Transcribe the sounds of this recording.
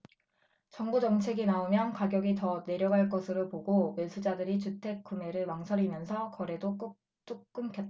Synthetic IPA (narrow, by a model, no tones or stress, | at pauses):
t͡ɕʌŋbud͡ʑʌŋt͡ɕʰe̞ɡinaomjʌnkaɡjʌɡitʌne̞ɾjʌɡɦaɭk͈ʌsʰɯɾopoɡoesʰud͡ʑadɯɾit͡ɕutʰe̞k̚k͈ume̞ɾɯɭwaŋsʰʌɾimjʌnsʰʌkʌɾe̞dok͈ | t͈uk̚k͈ɯmkʰjʌt͈a